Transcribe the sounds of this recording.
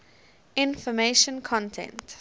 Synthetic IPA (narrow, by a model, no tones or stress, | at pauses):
ɪ̃nfɔmeʃə̃nkʰɔ̃ntʰɛ̰̃nt